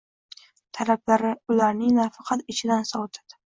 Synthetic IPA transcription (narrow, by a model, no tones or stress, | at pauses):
t̪ʰaɾablaɾɪʊlaɾnɪŋnafɑqʰɑt̪ɪt͡ʃʰɪd̪ansɒwt̪ʰɪ̥d̪̥